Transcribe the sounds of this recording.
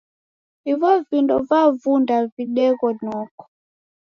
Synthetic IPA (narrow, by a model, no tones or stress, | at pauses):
ivɔvindɔvavundaviɗɛkɔnɔkɔ̥